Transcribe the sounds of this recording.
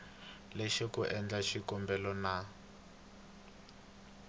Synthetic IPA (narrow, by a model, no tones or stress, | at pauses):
leʃikuʔɛnd͡ɮaʃikɔmbɛlɔna